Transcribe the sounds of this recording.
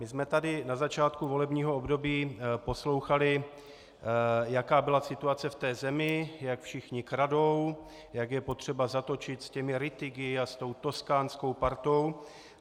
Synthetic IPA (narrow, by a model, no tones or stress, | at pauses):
mɪsmɛt̪adɪnazat͡ʃaːt̪kuvo̞lɛbɲiːɦoobdo̞biːpo̞slo̞wxalɪ | jakaːbɪlasɪt̪uat͡sɛft̪ɛːzɛmɪjakfʃɪxɲɪkɾado̞w | jaɡjɛpo̞t̪r̝̥ɛbazat̪o̞t͡ʃɪt̪scɛmɪɾɪt̪ɪɡɪast̪o̞wt̪o̞skaːnsko̞wpaɾt̪o̞w